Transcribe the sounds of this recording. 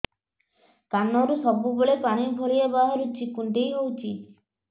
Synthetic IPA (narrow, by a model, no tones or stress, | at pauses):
kanːɔɾusɔbuboɭepaɽ̃ibʱɔɭiebaɦaɾut͡ʃikuɳʈejɦowt͡ʃʰi